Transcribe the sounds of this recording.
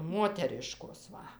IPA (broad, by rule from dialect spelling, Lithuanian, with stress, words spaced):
ˈmoːtʲɛrʲɪʃkoːs ˈʋɐ